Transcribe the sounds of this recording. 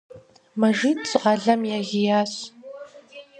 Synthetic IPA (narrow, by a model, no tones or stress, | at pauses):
mɐʒiːtʰɕʼqɑɮɐmjaːʁʲɪjaːɕ